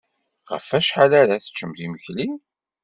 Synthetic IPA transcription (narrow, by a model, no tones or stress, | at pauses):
ʁə̰fæʃħalaɾæθə̥t͡ʃːəmθiməçlim